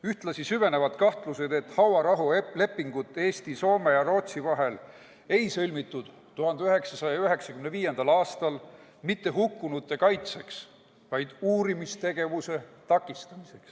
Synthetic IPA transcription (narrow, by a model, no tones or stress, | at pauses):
yht̪lɑsisyve̞ne̞vɑd̪̥kɑht̪luse̞d̪̥e̞t̪ːhɑwɑɾɑɦule̞pːiŋɡ̥ut̪ːˑe̞ːst̪iso̞ːmejɑɾo̞ːt̪sivɑɦe̞l | e̞jsɤlʲmit̪ːˑud̪̥ | t̪ːuɦɑnd̪eyɦe̞ksɑsɑjɑyɦe̞ksɑkymneviːje̞nd̪̥ɑlɑːst̪ɑl | mit̪ːe̞ɦukːunut̪ːˑe̞kɑjt̪se̞ks | vɑjd̪̥uːɾimist̪e̞ɡ̥e̞vuse̞t̪ɑkːˑist̪ɑmise̞ks